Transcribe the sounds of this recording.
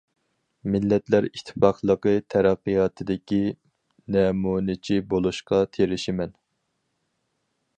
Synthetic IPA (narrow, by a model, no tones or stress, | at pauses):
mɪlːɛt̪læɾiʃt̪ʰːɪ̥fɑqʰlˠəqət̪ʰæɾæqːijɑːt̪ʰɨd̪ɪkʲi | nɛmunɪt͡ʃʰibolˠuʃqɑt̪ʰeɾɪʃɪmɛn